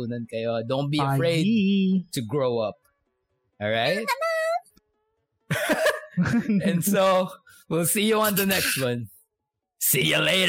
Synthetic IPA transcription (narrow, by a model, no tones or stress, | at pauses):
nɨ̃nkajɔdõʊ̃n̚biəfɹeɪd̚tuɡɹoʊʌp̚ | ʔɔlɹaɪt̪̚ | ɛ̃nso | wɪlsijuɔ̃ndənɛkst̚wʌ̃n | sijəleɪɾ